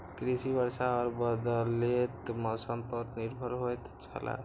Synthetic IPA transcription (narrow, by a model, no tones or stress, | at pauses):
kɾisibəɾsaɔɾbəd̪let̪mɔsəmpəɾniɾbʱəɾɦojt̪t͡ʃʰə̰la̰